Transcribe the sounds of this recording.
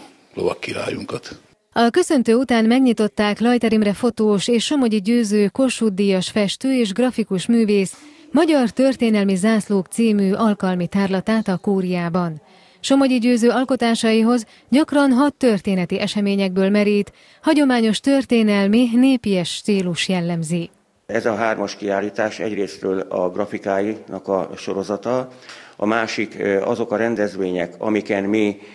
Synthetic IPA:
lo̰vɒ̰kːila̰ːjuŋkɒt̪ | ɒkø̞sø̞nt̪øːut̪aːnmɛɡɲit̪o̞t̪ːaːklɒjt̪ɛɾimrɛfo̞t̪oːʃeːʃːo̞moɟiɟøːzøːko̞ʃud̪ːijɒʃfɛʃt̪øːeːʒɡrɒfikuʃmyːveːsmɒɟɒrt̪ørt̪eːnɛlmizaːsloːkt̪siːmyʔɒlkɒlmit̪aːrlɒt̪aːt̪ɒkuːɾijaːbɒn | ʃo̞moɟiɟøːzøːɒlko̞t̪aːʃɒjiɦo̞z | ɟɒkrɒnɦɒt̪ːø̞rt̪eːnɛt̪iʔɛʃɛmeːɲɛɡ̚bøːlmɛɾilt̪ | hɒɟo̞maːɲo̞ʃt̪ø̞rt̪eːnɛlmineːpiɛʃːt̪siːluʃjɛlːɛmzi | ɛzɒɦaːrmɒʃkiaːlːiːt̪aːʃɛ̰ɟreːsɾøːlɒ̰ɡrɒfikaːjinɒkɒ̰ʃo̞ɾo̞zɒt̪ɒɒ̰maːʃikɒ̰zo̞kɒɾɛnd̪ɛzʋeːɲɛkɒ̰mikɛnmi

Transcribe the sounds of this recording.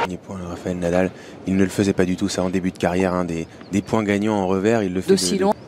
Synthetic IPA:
əmnjepwɛ̃əʁafaɛlnad̪al | ilnələfəzɛpad̪yt̪usaɑ̃d̪ebyd̪əkaʁjɛʁɛ̃d̪e | d̪epwɛ̃ɡaɲɑ̃ɑ̃ʁəvɛʁilːəfəsɛil̃

